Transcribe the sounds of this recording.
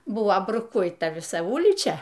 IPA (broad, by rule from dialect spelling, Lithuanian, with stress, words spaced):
ˈbʊʋoː brʊˈkʊɪtɐ ʋʲɪˈsɐ ˈʊlʲiːt͡ʃʲɛ